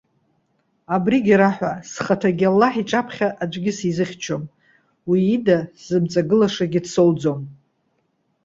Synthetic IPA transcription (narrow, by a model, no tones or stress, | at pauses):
abriɡʲiɾaħʷasχatʰaɡʲalːaħiʈ͡ʂʼapʰχʲaʔad͡ʒʷɡʲɪsizɨχʲt͡ʃʰom | wiːdaz̥ɨmt͡sʼaɡɨlaʂaɡʲɪdso̞wd͡zo̞m